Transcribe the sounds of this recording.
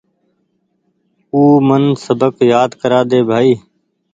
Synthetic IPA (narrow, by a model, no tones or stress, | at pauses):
uːmənsəbəkjaːd̪kəɾaːd̪eːbʱaːiː